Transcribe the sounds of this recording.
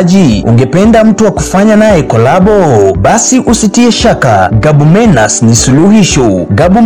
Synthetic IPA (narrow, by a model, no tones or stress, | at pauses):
ʄiṵŋɡɛpɛndam̩tuwakufaɲanajɛkɔlaɓɔɓasiʔusitiɛʃakaɡaɓumɛnasnisuluhiʃɔɡaɓum